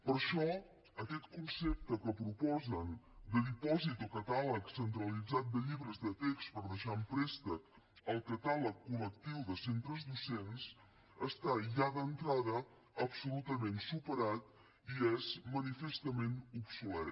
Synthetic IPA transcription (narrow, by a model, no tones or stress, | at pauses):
pəɾʃɔ | əkɛt̪kunsep̚t̪əkəpɾupɔzənd̪əðipɔzit̪ɔkət̪alˠəksənt̪ɾəlid͡zat̪̚d̪əʎiβɾəzðət̪ekst̪pəɾðəʃaəmpɾɛst̪ə | əlˠkət̪aləkːulək̚t̪iwðəsent̪ɾəzd̪usens | əst̪aʒaðənt̪ɾaðəː | psulut̪əmensupəɾat̪̚ | iezmənifest̪əmenupsulɛ